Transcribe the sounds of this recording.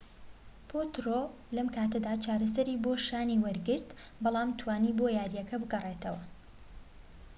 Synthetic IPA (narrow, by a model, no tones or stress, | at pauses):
pʰoːt̪ɾo | lɐmkʰaːt̪ɐd̪aːt͡ʃʰaːɾɐsɐɾiːboːʃaːniːwɐɾɡɨɾt̪bɑlˠɑːmt̪ʰwaːniːbojaːɾijɛkʰɐbɨɡɐre̞t̪ʰɐwɐ